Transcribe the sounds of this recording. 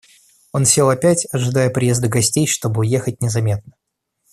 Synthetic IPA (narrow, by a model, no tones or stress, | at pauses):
o̞nfsʲelˠɐpʲætʲɐʐɨd̪ajəpɾʲɪje̞zd̪əɡɐsʲtʲejʂt̪o̞bɨʊje̞xətʲnʲɪzɐmʲe̞t̪̚nə